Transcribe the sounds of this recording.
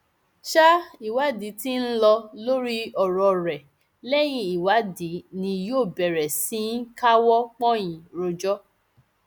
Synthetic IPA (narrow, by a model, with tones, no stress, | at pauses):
ʃa˦i˨wa˨˦di˨˦ti˦n̩˦lɔ˧lo˦ɾi˦ɔ˨ɾɔ˧˨ɾɛ˨ | lɛ˦j̃ĩ˧i˨wa˨˦di˨˦nĩ˧joː˦˨bɛ˨ɾɛ˨sĩ˦n̩˦ka˦wɔ˦k͡pɔ̃˦j̃ĩ˨ɾo˧d͡ʒɔ˦